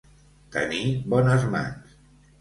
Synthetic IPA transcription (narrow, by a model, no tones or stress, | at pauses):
t̪ə̰nibɔnəzma̰ns